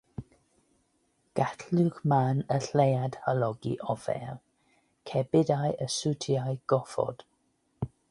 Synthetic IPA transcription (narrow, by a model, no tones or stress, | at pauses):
ɡ̥atʰluɡmanəɬejad̥həlɔɡḭʔɔvɛ̰r | kʰɛbɪdajəsutʰiajɡ̥ɔfɔ̰d̥